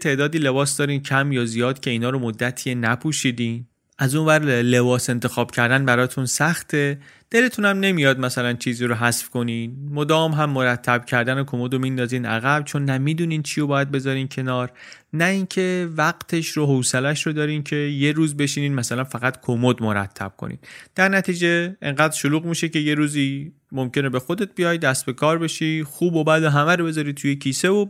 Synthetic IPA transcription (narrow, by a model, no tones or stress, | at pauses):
t̪ʰe̞ːd̪ɒːd̪iːle̞bɒːsd̪ɒːɾiːncʰæmjɒːzijɒːd̪cʰe̞iːnɒːɾomod̪ːæt̪ʰienæpʰuʃiːd̪iːn | ʔæzunvæɾle̞bɒːse̞nt̪ʰe̞xɒːb̥cʰæɾd̪ænbæɾɒːt̪ʰunsæxt̪ʰe̞d̪̥e̞le̞t̪ʰunæmne̞mijɒːd̪̚mæsælænt͡ʃʰiːziːɾoɦæsfko̞niːnmod̪ɒːmɦæmːoɾæt̪ʰːæb̥̚cʰæɾd̪ænekʰomod̪omind̪ɒːziːnæ̰ɣæb̚t͡ʃʰo̞nːæmiːd̪uːniːnt͡ʃʰijobɒːjæd̪̚be̞zɒːɾiːncʰe̞nɒːɾ | næincʰe̞væɡt̪ʰe̞ʃɾoɦowselæʃɾod̪ɒːɾiːncʰe̞je̞ɾuːzbe̞ʃiːniːnmæsælænfæɣæt̪kʰomod̪moɾæ̰t̪ʰːæ̰b̥̚kʰo̰nʔḭːd̪̥d̪̥æɾnæt̪ʰiːd͡ʒe̞eŋɢæːd̪ɾʃoluːɣmiːʃe̞ce̞je̞ɾuːziː | momce̞ne̞be̞xo̞d̪e̞t̪̚bijɒːjd̪æst̪be̞kʰɒːɾbe̞ʃixuːbobæd̪oɦæmæɾobe̞zɒɾit̪ʰujecʰiːse̞vo